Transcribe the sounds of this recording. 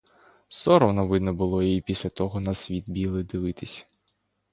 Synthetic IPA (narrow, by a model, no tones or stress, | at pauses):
sɔɾɔwnɔʋɪd̪nɔbʊlˠɔiipʲisʲlʲɐt̪ɔɦɔnɐsʲʋʲit̪bʲilˠɪd̪ɪʋɪt̪ɪsʲɐ̥